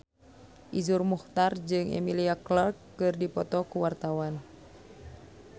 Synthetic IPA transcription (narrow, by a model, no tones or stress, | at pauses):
ʔizurmuht̪ard͡ʒɨŋɛ̰miliaklɔrkːɨrdipɔt̪ɔkuwart̪awan